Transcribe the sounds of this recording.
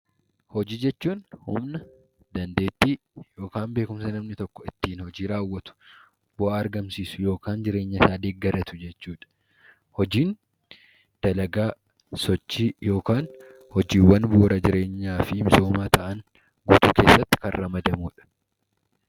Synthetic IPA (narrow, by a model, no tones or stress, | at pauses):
hɔd͡ʒiːd͡ʒɛt͡ʃːuːnhʊ̰mnɐ | d̪ɐnd̪e̞ːt̪ːiː | jo̞ːkaːmbe̞ːkʊmsɐnɐmnɪt̪ɔkːɔ̥ɪt̪ːiːnhɔd͡ʒiːɾaːwːɐt̪ʊ̥ | bʊʔaːɐɾɡɐmsiːsʊ̥jo̞ːkaːnd͡ʒɪɾe̞ːɲːɐsaːd̪eːɡɐɾɐt̪ʊd͡ʒɛt͡ʃːuːᶑɐ̥ | hɔd͡ʒiːn | d̪̥ɐlɐɡaː | sɔt͡ʃːiːjo̞ːkaːn | hɔd͡ʒiːwːɐnbuːɾɐd͡ʒɪɾe̞ːɲːaːfɪmɪso̞ːmaːt̪ɐʔɐn | ɡuːt̪uːke̞ːsːɐt̪ːɪ̥kɐnrːɐmɐd̪ɐmuːᶑɐ̥